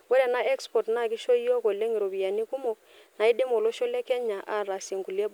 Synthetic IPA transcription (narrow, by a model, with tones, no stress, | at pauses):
wɛ˦ɾɛ˨na˦ʔɛ˦kspɔ˨tna˦˨ki˦ʃo˦i˦ɔ˦ko˨le˦ŋi˨ɾo˨bi˨ja˨ni˦ku˦mo˨ | na˨i˦de˦mo˨lo˦ʃo˦lɛ˦kɛ˦ɲa˨ʔa˦˨ɾa˨se˨ŋɡu˨le˦b